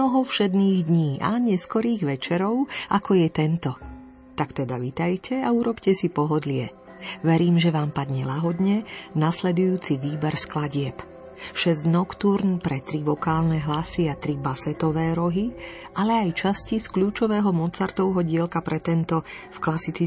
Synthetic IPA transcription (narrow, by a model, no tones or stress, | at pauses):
ɔɦɔfʃɛd̪niːɣd̪ɲiːʔa̰ɲɛskɔɾiːɣʋɛt͡ʃɛɾɔʊakʰɔjɛt̪ɛnt̪ɔ | t̪akt̪ɛd̪aʋit̪ajcʰɛauɾɔpcɛsipɔɦɔd̪lɪɛ | ʋɛɾiːmʒɛʋaːmpad̪ɲɛlaɦɔd̪ɲɛnaslɛd̪ujuːt͡siʋiːbɛɾsklaɟɪɛp | ʃɛzɟnɔkt̪uɾnpɾɛt̪ɾiʋɔkaːlnɛɦlasiat̪ɾibasɛt̪ɔʋɛːɾɔɦiʔalɛajt͡ʃasciskluːt͡ʃɔʋɛːɦɔmɔt͡saɾt̪ɔʊɦɔɟɪɛlkapɾɛt̪ɛnt̪ɔfklasit͡si